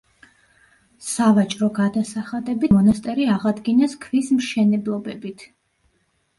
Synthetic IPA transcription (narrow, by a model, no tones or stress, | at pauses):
savat͡ʃʼɾɔɡad̪asaχad̪ɛbimɔnast̪ʼɛɾiaʁad̪ɡinɛskʰvismʃɛnɛblˠɔbɛbit̪ʰ